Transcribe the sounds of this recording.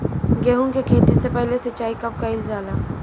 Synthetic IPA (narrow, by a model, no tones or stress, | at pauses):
ɡeːɦũkekʰeːt̪isepɛɦlesɐt͡ʃːaːikɐp̚kaɪlzaːlaː